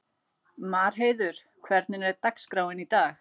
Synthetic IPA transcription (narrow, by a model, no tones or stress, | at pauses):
maːɾ̥ɦeːjðʏɾ̥ | kʰvɛɾt̪nɪnɛɾt̪akskɾaːwɪnit̪aːx